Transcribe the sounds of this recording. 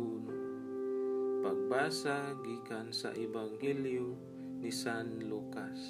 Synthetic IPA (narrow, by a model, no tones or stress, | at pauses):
uno | paɡ̚baːsaɡiːkansa̰ʔɛbaŋhɛljo | nisanlukas